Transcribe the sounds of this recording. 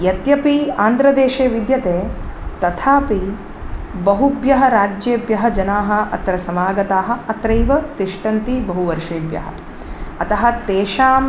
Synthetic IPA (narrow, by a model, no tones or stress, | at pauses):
jɐt̪jɐpiaːnd̪ɾɐd̪eːʃeːʋid̪jɐt̪eːt̪ɐt̪ʰaːpi | bɐɦubjɐɦɐɾaːd͡ʒjeːbjɐɦɐd͡ʒɐnaːɦɐ̆ɐ̰t̪ɐɾɐsɐmaːɡɐt̪aːɦɐ̆ɐt̪ɾɐjʋɐt̪iʂʈɐnt̪ibɐɦuʋɐɾʂeːbjɐ̰ɦɐ̰ | ɐt̪ɐɦɐ̆t̪eːʃaːm